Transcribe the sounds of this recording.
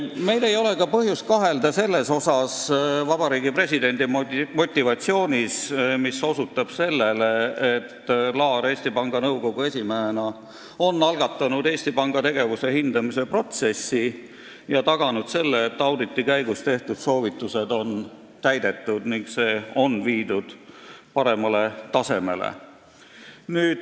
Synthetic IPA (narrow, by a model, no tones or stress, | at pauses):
me̞jle̞jo̞le̞kɑpɤɦjust̪̚kɑɦe̞ld̪ɑse̞lːe̞so̞sɑsvɑbɑɾiːɡipre̞sid̪e̞nʲd̪̥immo̞t̪ʲˑːivɑt̪sio̞ːnʲismiso̞sut̪ːˑɑb̥se̞lːe̞le̞et̪ːlɑːɾe̞ːsʲt̪ipɑŋɡ̥ɑnɤwko̞ɡ̥ue̞sʲimeenɑ | o̞nːɑlɡ̥ɑt̪ːˑɑnud̪e̞ːsʲt̪ipɑŋɡ̥ɑt̪e̞ɡ̥e̞vuse̞hind̪̥ɑmise̞pro̞t̪se̞sːi | jɑt̪ɑɡ̥ɑnud̪̥se̞lːeːt̪ːɑwd̪it̪ːikæjɡ̥ust̪e̞ht̪ud̪̥so̞ːvit̪ːˑuse̞d̪o̞n | t̪æjd̪̥e̞t̪ːˑud̪̥niŋkse̞ːo̞nviːd̪ud̪̥pɑɾe̞mɑle̞t̪ɑse̞me̞̰lḛ | nyːd̪̥